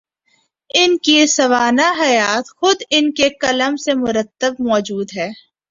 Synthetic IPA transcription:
ɪnkisɐʋaːnaɦɐjaːt̪xʊd̪ɪnkekɐləmsemʊɾət̪ːəbmɔːd͡ʒuːd̪ɦɛː

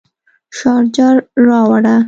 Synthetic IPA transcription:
ʃɑɾd͡ʒɑɾːɑwaɽa

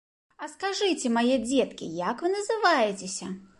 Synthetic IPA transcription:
ɐskaʐɨt͡sʲɛmajɛd͡zʲɛt̪kʲḭjakvɨnɐzɨvajɛt͡sʲesʲɐ

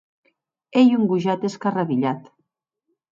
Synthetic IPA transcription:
ejuŋɡuʒat̪eskaraβiʎat̪

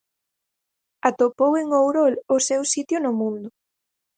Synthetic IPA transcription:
at̪opoweŋowɾolʊsɛwsit̪jʊnʊmũnd̪ʊ

